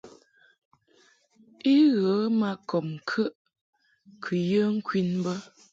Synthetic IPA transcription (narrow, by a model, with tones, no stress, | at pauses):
i˦ɣə˨˦ma˦˨kɔ˨mŋ̩˨kʰə˦ʔ | kʰʉ˨jə˦ŋ̩˦kwi˦nbə˦